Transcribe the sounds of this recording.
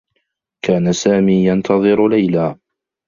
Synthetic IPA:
kaːnasaːmiːjant̪ʰɑðˤɨɾlajlaː

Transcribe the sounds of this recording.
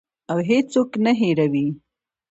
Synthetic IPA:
awɦed͡ʒsoknaɦeɾawi

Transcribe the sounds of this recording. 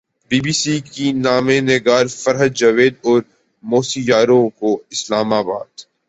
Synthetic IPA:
biːbiːsikinaːmenɪɡaːɾfɐɾɦədd͡ʒɐʋeːd̪ɔːɾ | moːsijaːɾõkoɪslaːmaːba̰ːd̪̥

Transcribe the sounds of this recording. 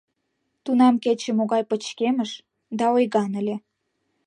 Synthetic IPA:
t̪unɑmket͡ɕəmoɣɑjpət͡ɕkeməʃ | d̪ɑojɣɑnəlʲe

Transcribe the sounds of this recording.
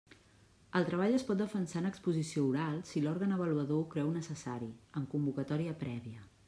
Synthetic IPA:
əlˠt̪ɾəβ̞aʎəspɔt̪̚d̪əfənsanəkspuzisiouɾalˠsilɔɾɣənəβ̞əluəðoukɾɛwnəsəsaɾiəŋkumbukət̪ɔɾiəpɾɛβiə

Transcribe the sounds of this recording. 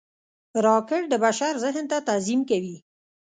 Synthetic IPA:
ɾɑkɪʈ̚d̪əbaʃaɾzɪɦnt̪at̪azimkawi

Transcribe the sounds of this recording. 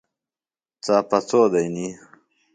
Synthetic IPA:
t͡saːpɐt͡soːd̪ɐjni

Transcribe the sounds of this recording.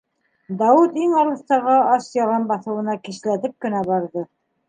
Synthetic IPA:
d̪ɑwɘt̪iŋɑlˠɤ̆θt̪ɑʁɑɑsjɑlˠɑnbɑθɤ̆wɤ̆nɑkiʃlæt̪ɘp̚kɵ̆næbɑɾðɤ

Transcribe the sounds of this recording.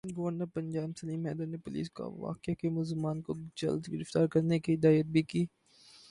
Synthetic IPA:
ɡɐʋəɾnəɾpɐ̃ɲd͡ʒaːbsɐliːmɛːd̪əɾnepʊlḭːska̰ʋa̰ːkakemʊzmaːnkod͡ʒɐ̰ld̪ɡɪɾɪft̪aːɾkɐɾnekiɦɪd̪aːjət̪̚bʱikiː

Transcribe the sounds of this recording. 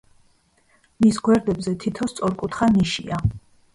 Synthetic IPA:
misɡwɛɾd̪ɛbzɛt̪ʰit̪ʰɔst̪sʼɔɾkʼut̪ʰχaniʃḭa

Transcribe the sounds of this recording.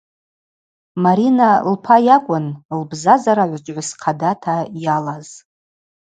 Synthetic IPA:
maɾinalpʰajakʷʼʊnlbzazaɾaʕʷat͡ʃʷʼʕʷasqʰadatʰajalaz̥

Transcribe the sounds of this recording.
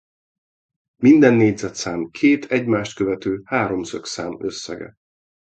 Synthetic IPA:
mind̪ɛnːeːɟzɛt̪saːmkʰeːt̪ʰɛɟmaːʃt̪̚køvɛt̪øːhaːɾo̞msøksaːmø̞̰sːɛ̰ɡɛ̰

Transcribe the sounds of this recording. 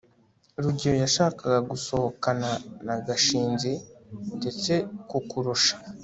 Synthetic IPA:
ɾuɟiɾojaʃaːkaɡaɡuso̞hokananaɡaʃiːnɟende̞t͡se̞kukuɾuʃḁ

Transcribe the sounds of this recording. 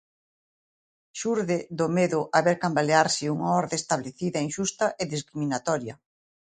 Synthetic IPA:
ʃuɾðeðomeðʊʔaβeɾkambaleaɾsɪuŋaɔɾðest̪aβleθiðɐeŋʃust̪ɐʔeðiskɾiminat̪ɔɾjɐ

